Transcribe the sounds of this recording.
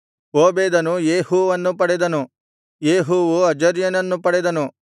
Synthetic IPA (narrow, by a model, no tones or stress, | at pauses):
oːbeːd̪ɐnujeːhuːʋɐnːupɐɽɛd̪ɐnu | jeːɦuʋuɐd͡ʒɐɾjɐnɐnːupɐɽɛd̪ɐnu